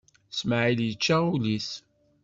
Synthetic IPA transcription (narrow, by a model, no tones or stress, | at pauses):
sməʕiljət͡ʃːaulis